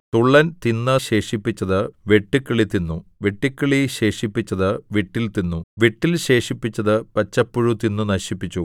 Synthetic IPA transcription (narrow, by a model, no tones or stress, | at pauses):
t̪uɭːɐnt̪inːɨɕe̞ːʂipːit͡ɕːɐðɨʋe̞ʈːikːɐɭit̪ːinːuʋe̞ʈːikːɐɭiɕe̞ːʂipːit͡ɕːɐðɨʋiʈːilt̪inːuʋiʈːilɕe̞ːʂipːit͡ɕːɐðɨpɐt͡ɕːɐpːuɻut̪inːunɐɕipːit͡ɕːu